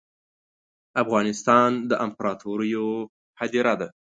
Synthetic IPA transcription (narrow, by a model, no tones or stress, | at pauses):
afɣɑnɪst̪ɑnd̪əʔampaɾɑt̪oɾəjo | had̪iɾad̪a